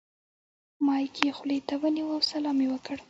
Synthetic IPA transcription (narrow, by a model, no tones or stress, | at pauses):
mɑjkʰexlet̪awəniwəwsalɑmewəkəɽ